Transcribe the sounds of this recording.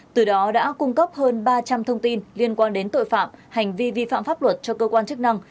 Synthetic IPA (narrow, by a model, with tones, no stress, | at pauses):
t̪ɨ˨˩ɗɔ˨˦ɗa̰ː˧˥kʊ˧ŋ͡mkə˦˥p̚həː˧nɓaː˧t͡ɕa˧mt̪ʰə˧wŋ͡mt̪i˧nli˧ənkwaː˧nɗe˨˦nt̪o̰˧˨jfa̰ː˧˨mha˨˩jŋ̟vi˧vi˧fa̰ː˧˨mfaː˦˥p̚lwə˨˩t̚t͡ɕɔ˧kəː˧kwaː˧nt͡ɕɨ˦˥k̚na˧ŋ